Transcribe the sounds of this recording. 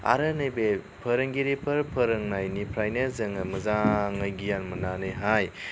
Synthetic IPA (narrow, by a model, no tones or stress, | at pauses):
a̰ɾɯnɐjbe | pʰəɾɯŋɡiɾipʰɐɾpʰəɾɯŋnajnipʰɾajnezɯŋɐmɐzaŋɐjɡijanmɐnanɯjɦaj